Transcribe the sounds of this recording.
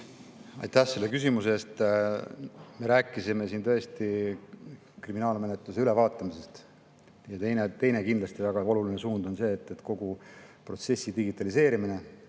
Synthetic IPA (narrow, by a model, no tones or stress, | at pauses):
ɑ̰jt̪ːæhse̞lːe̞kys̬imuseeːst̪ | me̞ɾæːkːˑisime̞sint̪ɤ̞e̞st̪i | kriminɑːlme̞net̪luse̞yle̞vɑːt̪ːˑɑmise̞st̪ | jɑt̪e̞jnet̪e̞jne̞kind̪lɑst̪ivæɡ̥ɑo̞lulinesuːnd̪̥o̞nse̞ːt̪ːˑe̞t̪ko̞ɡ̥upro̞t̪se̞sːid̪iɡit̪ːˑɑlise̞ːɾimine̞